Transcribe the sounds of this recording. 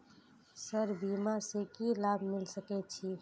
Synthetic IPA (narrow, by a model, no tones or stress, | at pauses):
səɾbiːmasekilaːbʱmɪlsəkɛt͡ʃʰi